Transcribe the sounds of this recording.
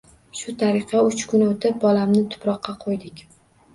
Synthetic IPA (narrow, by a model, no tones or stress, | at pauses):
ʃʊt̪ʰaɾɪqʰɑʊt͡ʃkʰʊnot̪ʰɪp̚bɒlamnɪt̪ʰʊ̥pɾɒqʰːɑqʰojd̪ɪkʲ